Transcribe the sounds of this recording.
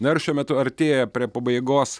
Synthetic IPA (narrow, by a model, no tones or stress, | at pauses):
nɐɪɾʃʲuɔmʲɛt̪ʊɐɾʲt̪ʲeːjɛpʲɾʲiɛpɐbɐɪɡoːs